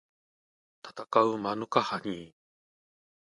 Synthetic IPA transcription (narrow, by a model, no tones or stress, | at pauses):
t̪ḁt̪akaɯ̟manɯ̟kahaɲi